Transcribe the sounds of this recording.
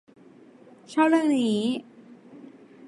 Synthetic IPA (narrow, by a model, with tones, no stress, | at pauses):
t͡ɕʰɔː˥˩p̚lɯ˥˩əŋniː˦˥